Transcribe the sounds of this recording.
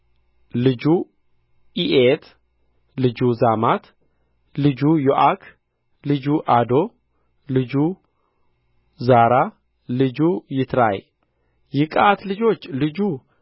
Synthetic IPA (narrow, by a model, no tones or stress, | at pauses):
lɨd͡ʒu | ʔiʔet̪ʰ | lɨd͡ʒuzamat̪ʰ | lɨd͡ʒujoʔakʰ | lɨd͡ʒuʔad̪o̞ | lɨd͡ʒu | zaɾa | lɨd͡ʒujɪt̪ʰɾa̰j | jɪkʼat̪lɨd͡ʒo̞t͡ʃːlɨd͡ʒu